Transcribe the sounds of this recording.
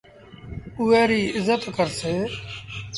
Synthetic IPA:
ʊɛːɾiːɪzət̪kəɾseː

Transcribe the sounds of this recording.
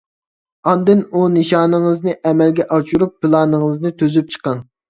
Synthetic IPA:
ɑnd̪ɨnunɨʃɑːnɨŋɨznɨʔɛmɛlɡʲɛʔɑt͡ʃuɾup̚ːɨlˠɑːnɨŋəɨznɨt̪ʰøzyp̚t͡ʃʰə̥qəŋ

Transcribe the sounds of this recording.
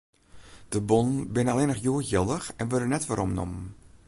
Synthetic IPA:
d̥əbɔnbɪnəaleːnəxjuːəjɪlˠdəxɛnʋødənɛtʋəɾʔɔmnɔ̰mən

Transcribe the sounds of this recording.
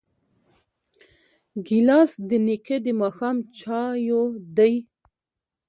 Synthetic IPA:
ɡilɑsd̪ənikʰed̪imɑxɑmt͡ʃʰɑjod̪əj

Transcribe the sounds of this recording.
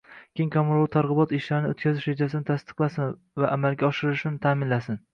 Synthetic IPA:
kʲeŋkʲʰamɾˠt̪ʰaɾʁɨbɒt̪ɪʃlaɾnɪot̪kʲʰazɪʃed͡ʒasɪnɪt̪ʰast̪ɨ̥qlˠasɪn | vaʔamalɡʲaɒʃɪɾɪʃɪnɪt̪ʰamɪnlasɪn

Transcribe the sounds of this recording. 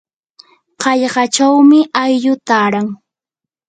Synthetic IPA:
qɑʎɢɑt͡ʃawmɪʔajʎʊt̪aːɾaŋ

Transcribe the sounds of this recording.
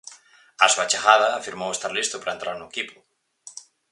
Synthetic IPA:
asuat͡ʃaɣað̞ɐːfiɾmowest̪aɾlist̪ʊpɾaent̪ɾaɾnuekipʊ̥

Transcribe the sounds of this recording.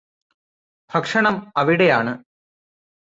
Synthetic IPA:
bʱɐkʂɐɳɐmɐʋiɽejaːɳɨ

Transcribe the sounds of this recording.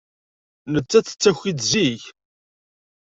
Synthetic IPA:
nət͡sːæt͡sːə̥t͡sːæçid̪ziʝ

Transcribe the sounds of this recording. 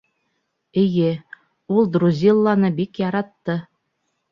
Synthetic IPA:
ɘ̆jɘ | ulˠd̪ɾuzʲilˠːɑnɤbikjɑɾɑt̪ːɤ

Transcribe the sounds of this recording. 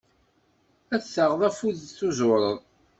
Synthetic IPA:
æθəʁðˤæfuðθuzʊɾˤəðˤ

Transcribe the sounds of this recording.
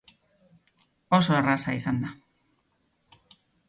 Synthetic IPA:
oso̞erasaisand̪a

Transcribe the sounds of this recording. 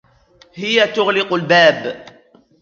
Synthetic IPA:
hɪjat̪ʊɣlɪqʊlbaːb

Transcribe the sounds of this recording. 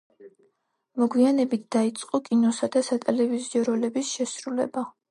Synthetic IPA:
mɔɡwianɛbit̪̚ʰd̪̥ait̪sʼqʼɔkʼinɔsad̪asat̪ʼɛlɛviziɔɾɔlɛbisʃɛsɾulɛ̰ba

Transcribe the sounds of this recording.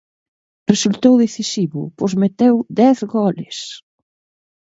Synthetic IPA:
result̪owðeθisiβʊ̰pozmet̪ewd̪ɛθɣɔlɪs

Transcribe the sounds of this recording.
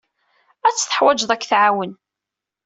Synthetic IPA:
æt͡sːθə̥ħwæd͡ʒðˤækːθʕawən

